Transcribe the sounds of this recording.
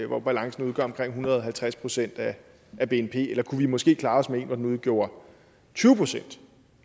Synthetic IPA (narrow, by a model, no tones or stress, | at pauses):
ʋɒb̥ælɑ̈ŋsn̩uðˠɡ̥ɶ̰ɐ̰ɒ̽mkʰʁeŋ̰ɦunɐðˠɒɦælt͡sʰʁaspʰʁo̝sen̰d̥æ | æb̥e̝enpʰe̝̰ːelɐkʰuʋimɒ̽sɡ̥e̝̰ːkʰlɑ̈ːɒ̽smee̝̰nʋɒd̥enuð̞ˠɡ̥jo̝̰ːɐ | t͡sʰyːʊəpʰʁo̝sen̰d̥